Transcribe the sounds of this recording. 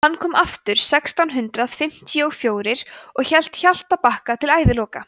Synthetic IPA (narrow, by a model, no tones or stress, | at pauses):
hanːkʰɔːmʔaft̪ʏɾ̥sɛkst̪awnɦʏnt̪ɾaðfɪm̥t̪iɔɣfjoːwɾɪɾ̥ɔɣçɛl̥t̪çal̥t̪ːapahkat̪ʰɪlaːjvɪlɔːka